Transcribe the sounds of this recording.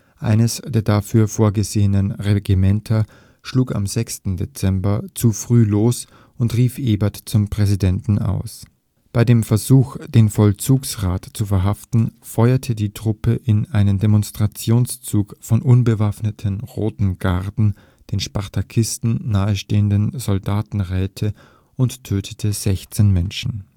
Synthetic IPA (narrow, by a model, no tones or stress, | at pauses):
ʔa̰ɪnəsd̥eːɐdafyːɐfoːɐɡəzeːənənʁeɡimɛntʰɐ | ʃluːka̰mzɛkstn̩det͡sɛmbɐt͡sufʁ̥yːloːs | ʔʊntʁiːfʔeːbɐtt͡sʊmpʁ̥ɛzidɛntn̩a̰ʊs | b̥aɪdeːmfɛɐzuːxd̥eːnfɔlt͡suːksʁaːtt͡sufɛɐɦaftn̩ | fɔʏɐtʰədiːtʁ̥ʊpəʔɪnʔaɪnəndemɔnstʁ̥at͡sjoːnst͡suːkfɔnʔʊnbəvafnətʰənʁoːtn̩ɡ̥aʁdn̩ | d̥eːnʃpaʁtʰakʰɪstn̩naːəʃteːəndənzɔldaːtn̩ʁɛːtʰə | ʊnttʰːøːtʰə̥tʰəz̥ɛçt͡seːnmɛnʃn̩